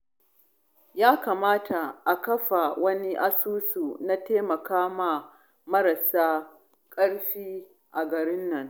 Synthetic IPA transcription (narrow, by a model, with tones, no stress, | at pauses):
jaː˦ka˨maː˦tʰa˨ʔa˨kɐ˦ɸa˨wɐ˦ni˦ʔa˦suː˦su˨na˦teː˦mɐ˨kaː˦ma˨ | mɐ˦ɾɐ˨saː˦ | kʼɐ˦ɽɸiː˦ | ʔa˨ɡɐ˨ɾɪ˦nːɐ˦ŋ